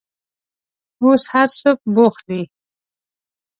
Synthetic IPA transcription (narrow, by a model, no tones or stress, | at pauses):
oshaɾsok̚boχd̪i